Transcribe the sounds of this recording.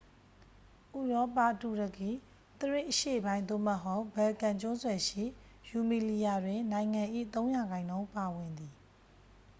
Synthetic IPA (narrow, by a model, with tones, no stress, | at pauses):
ʔu˨ɹɔ˦pa˦˨ʔtu˨ɾə˨ki˦˨ | t̪əɹɪ̰̃˦˨ʔəʃḛ˦˨əbã˦ɪ̃nd̪o̰˦˨mə˨ɦo˦ʊbɛ˨lkã˨ɲt͡ɕʊ̃˦zwɛ˨ʃḭ˦˨ | ju˨mi˨li˨ja˨dwɪ̃˨nã˨ɪ̃ŋã˨ʔḭ˦˨t̪õ˦ʊ̃ja˨ɡã˨ɪ̃ndõ˦ʊ̃mpa˨wɪ̃˨nd̪i˨